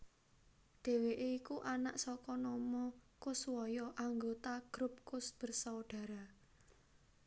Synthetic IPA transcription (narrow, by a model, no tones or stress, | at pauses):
d̪̥e̤weʔeikuʔanaʔsɔkɔnɔmɔkʊswɔjɔʔaŋɡot̪aɡ̥ɾʊp̚kʊsb̥ə̤rsawɖ̥ä̤ɾa